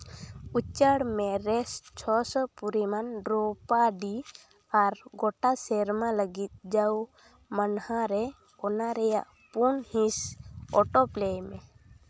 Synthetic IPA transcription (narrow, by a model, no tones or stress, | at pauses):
ut͡ʃəɽmɛɾɛst͡ʃʰɔsɔpuɾimanɖɾɔpaɖi | aɾɡɔʈasɛɾmaləɡit̪̚d͡ʒaw | manhaɾɛ | ɔnaɾɛja̰ʔ | punhĩsɔʈɔplɛjmɛ